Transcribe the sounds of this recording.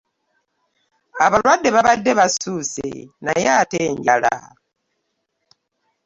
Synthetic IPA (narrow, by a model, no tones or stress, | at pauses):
aβalwadːeβaβadːeβasusḛnajateːɲɟala̰